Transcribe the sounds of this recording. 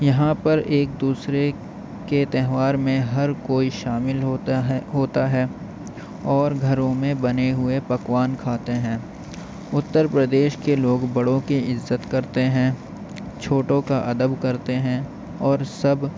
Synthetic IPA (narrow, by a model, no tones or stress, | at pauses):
jɐɦãpɐɾeːk̚d̪uːsɾe | ket̪ɛɦʋaːɾmẽɦɐɾkoːiʃaːmɪlɦoːt̪aɦɛː | ɔːɾɡʱɐɾõmẽbɐneɦʊepɐkʋaːnkʰaːt̪eɦɛ̃ː | ʊt̪ːəɾpɾəd̪eːʃkeloːɡbɐɽõkiɪzːət̪kɐɾt̪eɦɛ̃ː | t͡ʃʰoːʈõkaʔɐd̪əbkɐɾt̪eɦɛ̃ | ɔːɾsɐb